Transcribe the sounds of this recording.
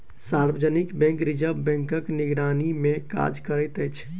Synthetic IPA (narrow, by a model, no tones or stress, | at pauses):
saɾbəd͡ʒənikbɛ̃ŋkɾid͡ʒəbbɛ̃ŋkəkniɡɾanimeka̰d͡ʒkəɾəjt̪əjt͡ʃʰ